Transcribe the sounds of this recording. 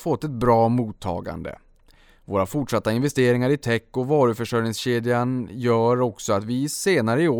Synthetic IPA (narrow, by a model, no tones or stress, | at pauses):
fɔt̪ːɛt̪̚bɾɑːmuːt̪ʰːɑ̰ːɡa̰nd̪ə̰ | voːɾafʊʈʂat̪ːaɪnvɛst̪eːɾɪŋaɾɪt̪ʰɛkːɔvɑːɾɵfœʂœjnɪŋsɕeːd̪janjœːɾɔksɔat̪vɪseːnaɾəɪoː